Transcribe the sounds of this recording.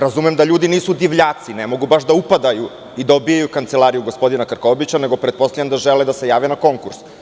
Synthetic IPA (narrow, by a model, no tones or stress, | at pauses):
ɾazumɛmd̪aʎuːd̪iniːsud̪iʋʎaːt̪sinemo̞ɡubaʃd̪aupad̪aju | id̪aobijajukant̪selˠaɾijuɡo̞spo̞d̪inakɾkobit͡ɕaneɡopɾet̪̚po̞st̪ajemd̪aʒeled̪ase̞jaːʋenako̞ŋkuɾs